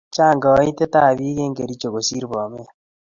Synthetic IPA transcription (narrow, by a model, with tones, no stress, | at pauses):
t͡ʃa˦˨ŋɡɔ˨˦i˦te˦ta˦˨βi˦ɣe˦ŋɡe˨ɾi˦t͡ʃo˨ɣo˨si˦ɾbɔ˨me˦a˦